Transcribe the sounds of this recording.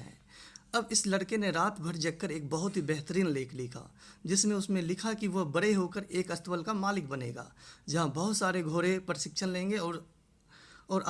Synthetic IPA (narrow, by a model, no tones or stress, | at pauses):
ɦɛ̰̃ːɐbɪslɐɽkeneɾaːt̪bʱəɽd͡ʒɐk̚ːəɾeːk̚bɐɦʊt̪ɦibɛɦt̪əɾiːnleːkʰlɪkʰa̰ːd͡ʒɪsnẽʊsmẽlɪkʰakiʋobɐɽeɦoːkəɾeːkɐst̪wəlkamaːlɪk̚bɐnḛːɡa̰ːd͡ʒɐɦãbɐɦʊt̪saːɾeɡʱoːɾepɾɪsɪkʃənlẽːŋɡeɔːɾ | ɔːɾ